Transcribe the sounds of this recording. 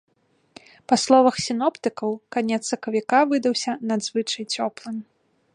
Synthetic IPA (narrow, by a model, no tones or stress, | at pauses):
pɐslˠɔvɐxsʲinɔpt̪ɨkɐwkanʲɛt̪sɐkɐvʲikavɨd̪ɐwsʲɐnad̪zvɨt͡ʂɐjt͡sʲɔplˠɨmʲ